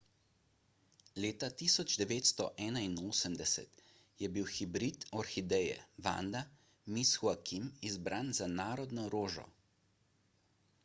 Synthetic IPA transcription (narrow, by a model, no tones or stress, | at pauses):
leːt̪at̪iːsɔd͡ʒd̪ɛʋeːt̪st̪ɔʔɛːnainoːsəmd̪ɛsɛ̰t̪ | jɛbiwxibɾit̪ɔɾxid̪ɛjɛ̰ʋa̰ːnd̪a | misxuakimizbɾʔaːnzanaːɾɔd̪nɔɾoːʒɔ̰